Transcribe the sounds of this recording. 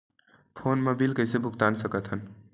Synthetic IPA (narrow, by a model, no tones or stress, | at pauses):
pʰoːnmebilkəjsebʱukt̪ansəkət̪ɦən